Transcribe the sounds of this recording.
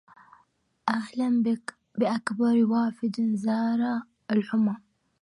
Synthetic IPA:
ʔaɣlambɪk | bɪʔakbɑɾˤwaːfɪd̪nzɑːɾˤɑ | ɪlħʊma

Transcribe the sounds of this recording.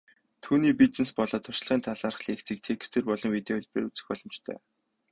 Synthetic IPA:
t̪ʰuːniːpit͡snĕspɔɮɔːt̪ʰʊ̥ʃ̆ɮʁiːnt̪ʰaɮaːrχɮekt͡siːk̚t̪ʰekst̪ʰeːrpɔɮɞ̆ŋwit̪eʊɮʲpreːrut͡sɘ̆xpɔɮɞ̆mt͡ɕt̪ʰœ̰ː

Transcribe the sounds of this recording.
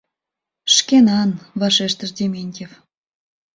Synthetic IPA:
ʃkenɑnβɑʃeʃt̪əʃd̪ʲemenʲkʲef

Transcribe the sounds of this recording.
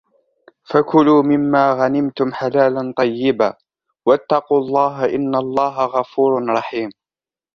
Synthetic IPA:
fakʊluːmɪmːaːɣanɪmt̪ʊmħalaːlant̪ˤɑjːɪbaː | wat̪ːɑquːɑlˤːɑːɦaʔɪnːalˤːɑːɦaɣɑfuːɾɾˤɑħiːm

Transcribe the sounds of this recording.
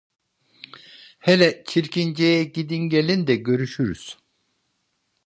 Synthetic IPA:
helʲɛt͡ʃʰiɾcʰind͡ʒejɛɟid̪inɟelʲind̪ɛɟø̞ɾyʃyɾyz̥

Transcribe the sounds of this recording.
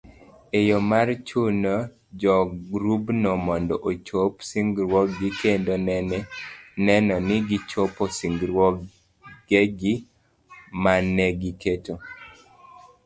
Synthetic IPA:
ejomart͡ʃunɔ | d͡ʒɔɡɾubnomɔndɔʔot͡ʃopsiŋɡɾwɔkɡikendonɛ | nɛnɔnɪɡit͡ʃoposiŋɡɾwɔk | ɡeɡi | manɛɡiketo

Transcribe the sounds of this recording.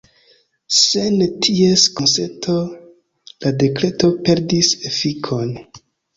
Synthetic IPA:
sentʰieskonsetʰo | lade̞kɾe̞to̞pe̞ɾdisefikʰo̞n

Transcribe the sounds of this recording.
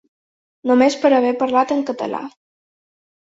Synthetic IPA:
nomespəɾəβ̞ɛpəɾlat̪əŋkət̪ə̰la̰

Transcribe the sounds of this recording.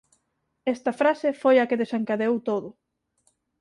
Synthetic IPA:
ɛst̪ɐfɾasefojɐkeðesaŋkaðeowt̪oðʊ

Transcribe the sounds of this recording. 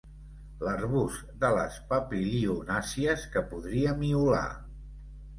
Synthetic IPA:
lərβus | d̪ələ̰spəpiliunasiəskəpuðɾiəmiula̰

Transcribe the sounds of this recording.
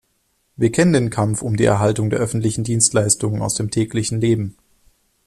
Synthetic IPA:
viːɐkʰɛnəndeːnkʰamfʊmdiːʔɛ̰ɐɦaltʊŋdeːɐʔœfn̩tlɪçn̩diːnstlaɪstʊŋəna̰ʊsd̥eːmtʰɛːklɪçn̩leːbm̩

